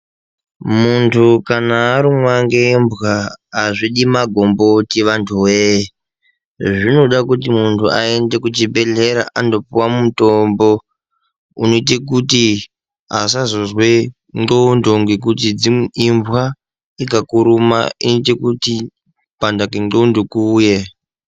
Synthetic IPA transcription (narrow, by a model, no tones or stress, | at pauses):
muntʰukanaːɾimwaŋɡeɱbwaːʐiɗimaɡʱo̞mbo̞tiʋantʰuwe | ʐino̞ɗakut̬imuntʰuae̞ndekut͡ʃibʱe̞ɮeɾa̰ʔandopuwamutombo̞ | uno̞it̬ek̬uti | as̬azozwe | ŋoundoŋɡek̬utid͡ziiɱvwa | ikakuɾuma̰initekuti | pandakiŋoundokuːje